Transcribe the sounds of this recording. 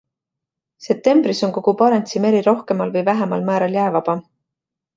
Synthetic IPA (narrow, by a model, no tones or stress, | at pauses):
se̞p̚t̪e̞mbɾiso̞nko̞ɡ̥upɑɾent̪sime̞ɾiɾo̞hke̞mɑlvɤjvæɦemɑlmæːɾɑljæːevɑb̥ɑ